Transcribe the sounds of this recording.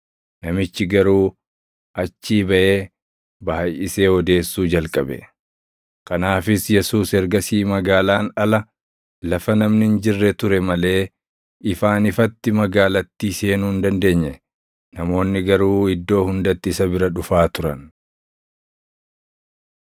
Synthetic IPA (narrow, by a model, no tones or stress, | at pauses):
nɐmɪt͡ʃːɪɡɐɾuː | ʔɐt͡ʃːiːbɐʔe̞ː | baːjɪse̞ːɔd̪e̞ːsːuːd͡ʒɐlkʼɐbɛ̰ | kɐnaːfɪsjɛsuːsɛɾɡɐsiːmɐɡaːlaːnɐlɐ | lɐfɐnɐmnɪnd͡ʒɪrːɛt̪ʊɾɛmɐle̞ː | ɪfaːnɪfɐt̪ːɪmɐɡaːlɐt̪ːiːse̞ːnuːnd̪ɐnd̪e̞ːɲːɛ | nɐmo̞ːnːɪɡɐɾuːɪd̪ːo̞ːhʊnd̪ɐt̪ːɪɪsɐbɪɾɐᶑʊfaːt̪ʊɾɐn